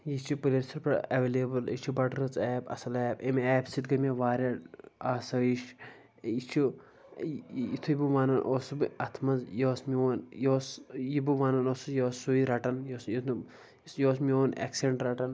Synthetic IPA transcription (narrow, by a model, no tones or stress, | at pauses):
jit͡ʃʰipulʲesɐɾpɾɐɐʋeːleːbɨlit͡ʃʰibɐʈɾɐt͡sɛːbɐ̰sɐlɛːbemɛːbsit̪̚ɡɐmʲeʋaːɾʲɐaːsɐiʃ | it͡ʃʰi | it̪ʰujibɨʋaːnɐnʔoːsubɨɐt̪ʰmɐzjoːsmioːnjoːsjibɨʋaːnɐnoːsujoːsːuiɾɐʈɐnjoːsji | isjoːsmioːnḛːksiɖeɳʈɾɐʈɐn